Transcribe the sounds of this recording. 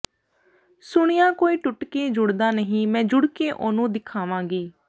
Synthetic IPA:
sʊɽ̃ijãːkoːiːʈʊʈkeːd͡ʒʊɽd̪aːnəɦĩːmɛ̃ːd͡ʒʊɽkeːʔoːnũːd̪ɪkʰaːʋãːɡiː

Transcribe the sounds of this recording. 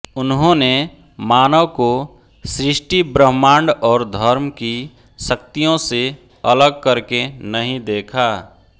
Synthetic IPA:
ʊnɦõne | maːnəwko | sɾɪʃʈibɾəɦmãːɳɖɔːɾd̪ʱəɾmki | sək̚t̪ijõse | ələɡ̚kəɾkenəɦĩd̪eːkʰa

